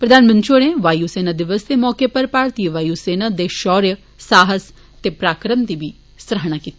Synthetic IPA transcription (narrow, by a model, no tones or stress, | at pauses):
pɾəd̪ʱaːnmə̃nt͡ʃoñeʋaːjuseːnad̪ɪʋəsd̪emɔːkepɐɾpaːɾt̪iəʋaːjuseːnad̪eʃɔːɾjə | saːɦəs | t̪epɾaːkɾəmt̪ibʱi | sɾəɦɽ̃akit̪i